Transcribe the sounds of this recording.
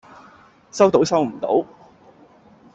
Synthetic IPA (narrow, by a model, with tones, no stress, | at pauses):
sɐ˥wt̪o˨˥wsɐ˥wm̩˨˩t̪o̰˨˥w